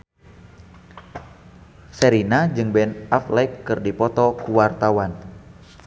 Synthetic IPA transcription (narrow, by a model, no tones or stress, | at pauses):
sɛɾinad͡ʒɨŋbɛnʔaflɛjkːɨrdipɔt̪ɔkuwart̪awan